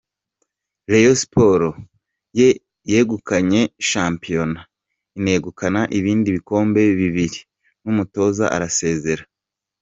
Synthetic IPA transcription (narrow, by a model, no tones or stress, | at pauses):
ɾejosi̥poɾo | je̞ | jeːɡukaɲe̞ʃaːmpijo̞na | ine̞ːɡukanaʔiβiːndiβiko̞ːmbe̞βiβiɾi | numuto̞ːza̰ʔa̰ɾase̞ːze̞ɾa